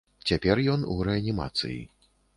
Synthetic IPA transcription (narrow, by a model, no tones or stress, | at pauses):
t͡sʲapʲɛrjɔnṵɾɛanʲima̰t̪sɨ̰jḭ